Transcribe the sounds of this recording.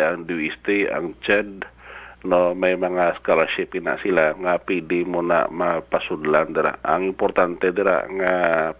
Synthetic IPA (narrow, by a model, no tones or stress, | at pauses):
aŋduist̪ia̰ŋt͡ʃɛd̚ | nomajmaŋaskolaʃip̚ina̰ʔsilaŋapidimuna̰ʔmapasudəland̪əɾa̰ʔa̰ŋimpɔrt̪ant̪ɛd̪əɾa̰ʔŋa